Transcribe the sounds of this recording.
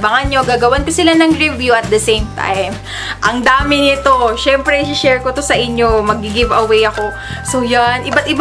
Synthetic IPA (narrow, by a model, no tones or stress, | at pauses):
bɐŋɐnɲo̞ɡaːɡɐwɐnkosɪlanɐŋɹɪvjuʔɐt̪̚d̪ɐsejmt̪ʰa̰jm | ʔɐŋd̪aːmɪnɪt̪o̞ʃɛmpɾɛɪsɪʃɛɹkot̪osɐʔɪɲjo̞mɐɡ̚ɪɡɪvɐwejɐko̞ | sojanʔɪbat̪̚ʔɪb